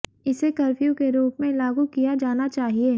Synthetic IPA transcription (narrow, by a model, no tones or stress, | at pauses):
ɪsekɐɾfjũkeɾuːpmẽlaːɡukijad͡ʒaːnat͡ʃaːɦieː